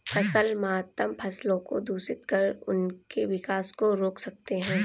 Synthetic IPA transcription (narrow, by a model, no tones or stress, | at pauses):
pʰɐsəlmaat̪ːəmpʰɐslõko̰d̪ʱuːsɪt̪kəɾʊ̰nkeʋɪkaːskoɾoːksɐk̚t̪eɦɛ̃ː